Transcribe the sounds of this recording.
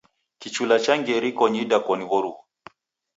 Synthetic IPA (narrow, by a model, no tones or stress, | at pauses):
kit͡ʃulat͡ʃaŋɡɛɾikɔɲidakɔniβɔɾuɔ